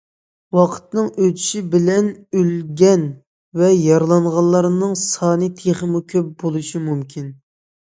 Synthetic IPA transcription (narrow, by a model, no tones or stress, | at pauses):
wɑqʰə̥t̪nɨŋøt̪ʰy̥ʃibɪlɛnølɡʲɛn | vɛjɑɾlˠɑɴʁɑllˠːɑɾnɨŋsɑːnɨt̪ʰeχəmukʲʰøp̚bolˠuʃimumkʲʰin